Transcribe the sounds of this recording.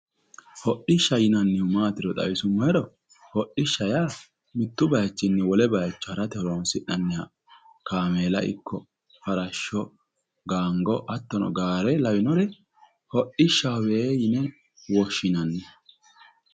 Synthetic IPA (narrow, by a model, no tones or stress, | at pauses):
hɔʔɪʃːɐjɪnɐnːɪhʊmaːt̪ɪɾɔt̪ʼɐ̰wɪsʊmːɔɛɾɔ | hɔʔɪʃːɐjaː | mɪt̪ːʊbɐjɐt͡ʃːɪnːɛwɔlɛbɐjɐt͡ʃːɔhɐɾɐt̪ɛhɔlɔnsɪʔɐnːɪja | kaːmeːlɐ̰ʔɪ̰kʰːɔ | fɐɾɐʃːɔ | ɡaːŋɡɔʔɐt̪ːɔnɔ̰ɡaːɾɛlɐwɪnɔɾɛ | hɔʔɪʃːɐweːjɪnɛ | wɔʃːɪnɐnːɛ